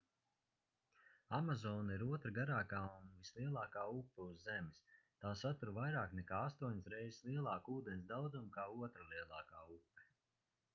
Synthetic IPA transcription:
amazɔːnaiɾuɔt̪ɾaɡaɾaːkaːunvislˠiɛlˠɑːkaːupːɛuzːɛmist̪aːsat̪uɾvajɾaːknɛkaːast̪uɔɲisɾɛjzslˠiɛlˠɑːkuːd̪ɛnʲs̬d̪awd̪zumkaːuɔt̪ɾalˠiɛlˠɑːkaːupːɛ̥

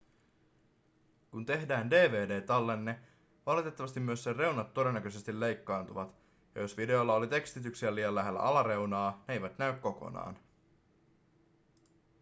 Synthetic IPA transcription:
kunt̪e̞ɦdæːnde̞ːʋe̞ːde̞ːt̪ɑlːenːe | ʋɑlit̪e̞t̪ːɑʋɑst̪imːyøsːere̞wnɑt̪ːo̞de̞nːækøse̞st̪ile̞jkːɑːnt̪uʋɑt̪ | jɑ̰jo̞sʋide̞olːɑo̞lit̪e̞kst̪it̪yksiæliːjɑlːæɦelːæ̰ʔɑlɑɾe̞unɑːnejʋæt̪næykko̞ko̞̰nɑ̰ːn

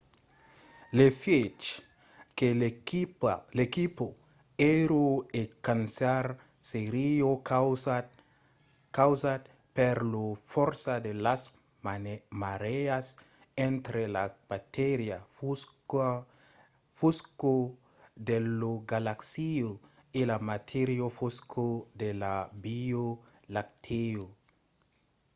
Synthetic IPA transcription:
lefet͡ʃ | kelekiplekipo | eɾoekansaɾ | seɾio | kawsat̪ | peɾlofoɾsad̪elas | maɾeas | ẽnt̪ɾelab̥at̪eɾja | fusko | d̪eloɡalaksio | ilamat̪ʰeɾjofoskʰod̪elabio | lak̚t̪ʰeo

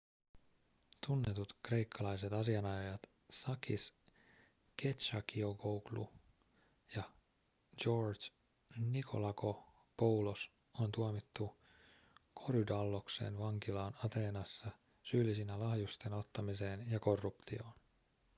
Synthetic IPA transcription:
t̪unːe̞t̪ut̪kre̞jkʰːɑlɑjse̞t̪ɑsiɑnɑjojɑt̪ | sɑkḭs | ke̞t̪ʃɑkiokowɡlṵ | jɑ | d͡ʒo̞rs | nikʰo̞̰lɑko̞ | po̞wlos | ont̪uomit̪ːu | kʰo̞ɾudɑlːo̞ksḛːnʋɑŋkilɑːnɑt̪e̞ːnɑsːɑ | syːlːisinælɑhjust̪e̞no̞t̪ːɑmise̞ːnjɑko̞rːupt̪io̞̰ːn

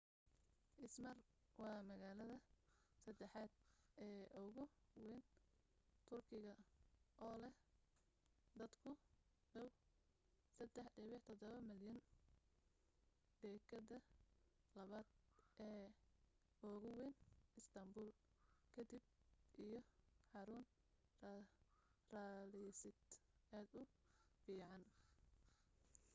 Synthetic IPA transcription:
ʔɪsmɐrwɑːmɐɣaːlɐðɐsɐd̪ɛħaːd̪̥̚ɛːɔɣʊwɛːn | t̪ʰʊrkʰɪɣɐʔɔːlɛh | d̪ɐd̪kʰʊ | ɖɐw | sɐd̪ɛħɖɛβɪħt̪ʰɔd̪ɔβɐmɪljɐn | d̪ɛːkʰɐdɐ | lɐβaːd̪ʔɛː | ɔːɣʊwɛnɪst̪ʰɐmbuːl | kʰɐd̪ibʔijɞħɑɾʊn | r | raːlɪsɪd̪aːd̪ʊ | fiːʕɑn

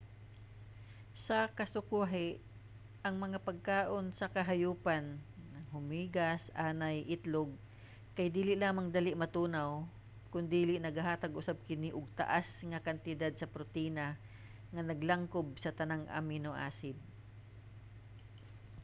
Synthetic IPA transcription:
sɐkɐsʊkuɦɪʔ | ʔɐŋmɐŋapɐɡ̚kaːʔonsɐkɐɦɐjuːpanːɐŋɦʊmiːɡɐsʔaːnajʔɪt̪loɡ̚ | kɐjd̪iːlɪʔlaːmaŋd̪alɪʔmɐt̪uːnaw | kʊnd̪iːlɪʔnɐɡhaɦaːt̪ɐɡʔʊsab̚kɪniʔʊɡ̚t̪ɐ̰ʔasŋɐkɐnt̪ɪd̪ad̪̚sɐpɾot̪iːna | ŋɐnɐɡlaŋkob̚sɐt̪ɐnaŋʔa̰minoʔa̰ːsɪd̪̚

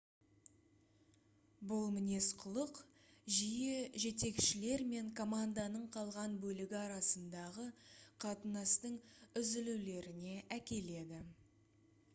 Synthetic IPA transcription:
bʊlˠmɪne̞sqʰʊlˠəq | ʒijeʒe̞t̪e̞kʃɪle̞ɾme̞ŋkʰo̞mand̪ɑnəɴqʰɑlˠʁɑnbɵlɪɡʲɪɑɾɑsənd̪ɑʁəqʰɑt̪ənɑst̪əɴʏzɪluwle̞ɾɪne̞ʔækʲe̞le̞d̪ɪ

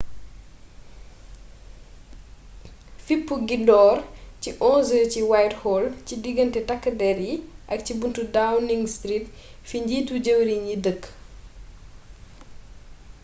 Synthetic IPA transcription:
fipːuɡindɔːrciʔɔnzəciwajthɔlcidiɡəntɛtɐkːədɛɾiʔɐk̚cibuntudawniŋɡstɾit | fiɲɟiːtuɟəwɾiɲidəkː

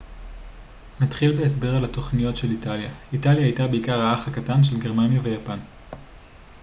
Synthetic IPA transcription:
natχilbeesbe̞ʁalato̞χnijo̞tʃe̞litaljaitaljaajtabe̞ikaʁaaχhakatanʃelɡe̞ʁmanjave̞japan

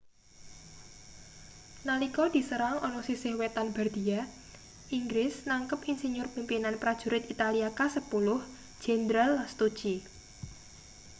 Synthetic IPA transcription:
nalikɔd̪̥i̤səɾaŋɔnɔsisɪhwet̪anbard̪̥ia | ʔiŋɡɾɪsnaŋkəpinsiɲʊrpimpinanpɾad̥ʒ̥ṳɾɪt̪it̪aliakasəpulʊh | d͡ʒ̥ɛnd̪ɾalːast̪u̥ʒ̥i

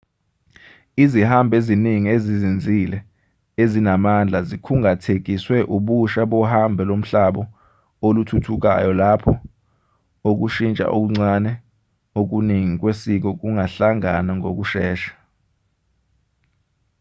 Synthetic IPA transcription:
izihambʱeziniŋiezizind͡zʱilɛ | ezinamand͡ɮʱazikʰuŋatʰek̬iswɛʔuɓuʃaɓɔhambʱɛlom̩ɬaɓɔ | olutʰutʰuk̬a̰jɔlapʰɔ | ok̬uʃint͡ʃʼa̰ʔok̬uŋ͡ǀanɛ | ok̬uniŋik̬wesik̬ɔk̬uŋaɬaŋanaŋok̬uʃɛːʃḁ

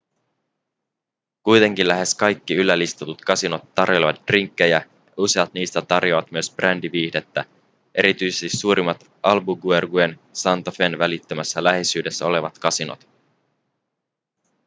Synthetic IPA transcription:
kujt̪e̞ŋk̟inlæɦe̞skɑjkːiylːælist̪ɑt̪ut̪kɑsinot̪ːɑrjoleʋɑt̪̚d̥riŋkːejæ | jɑuseɑt̪niːst̪æt̪ɑrjo̞ʋɑt̪myøsb̥rændiʋiːhde̞t̪ːæ | ʔe̞̰ɾit̪yjsest̪isuːɾʔimɑt̪ | ʔɑlbuɡuerɡue̞n | sɑnt̪ofenʋælit̪ːømæsːælæhesyːde̞sːæole̞ʋɑt̪kɑsino̰t̪

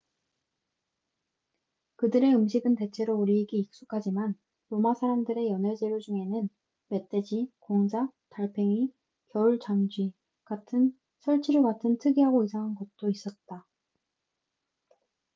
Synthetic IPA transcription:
kɯdɯɾe̞ɯmɕʰiɡɯnte̞t͡ɕʰe̞ɾouɾiːɡiːk̚s͈ukʰad͡ʑiman | ɾomasʰaɾamdɯɾe̞jʌned͡ʑe̞ɾod͡ʑuŋe̞nɯn | me̞t͈e̞d͡ʑikoŋd͡ʑataɭpʰe̞ŋi | kjʌuɭt͡ɕamd͡ʑi | katʰɯn | sʰʌɭt͡ɕʰiɾɯɭɡatʰɯntʰɯɡiɦaɡoisʰaŋɦanɡʌt̚t͈ois͈ʌt̚t͈a

